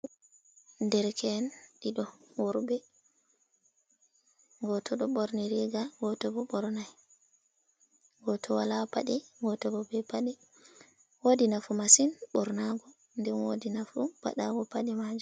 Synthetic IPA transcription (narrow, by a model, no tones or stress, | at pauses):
ndɛɾkʰɛnɗiɗɔwɔɾbɛ | ɡɔtʰɔɗɔɓɔɾniɾiɡaɡɔtɔbɔɓɔɾnaj | ɡɔtʰɔwalapa̰ɗiɡɔtɔbɔbɛpaɗi | wodinafumasinɓɔɾnaɡɔ | ndɛnwodinafupa̰ɗa̰ɡɔpaɗimad͡ʒu